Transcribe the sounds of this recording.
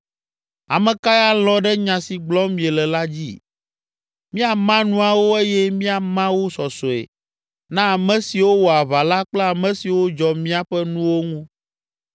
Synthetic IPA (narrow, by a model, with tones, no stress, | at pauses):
a̰˨mɛ̃˨ka˦ja˦lɔ̃˦ɖɛ˦ɲã˨si˨ɡ͡blɔ˦mĩ˨e˨lɛ˨la˦d͡ʑḭ˦ | mĩ˦a˨mã˦nũ˦a˨wo˦e˦jɛ˦mĩ˦a˨mã˦wo˦sɔ˨sɔ˨ḛ˨ | nã˦a˨mɛ̃˦si˨wo˦wɔ˨a˨βa˨la˦k͡plɛ˦a˨mɛ̃˨˦si˨wo˦d͡ʒɔ˨mĩ˦a˦ɸɛ˦nũ˦wo˦ŋũ˦